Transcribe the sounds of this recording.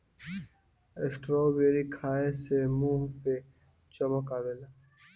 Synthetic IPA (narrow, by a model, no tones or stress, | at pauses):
esʈɾoːbeːɾikʰaːesemuːɦpe | t͡ʃəməkaʋela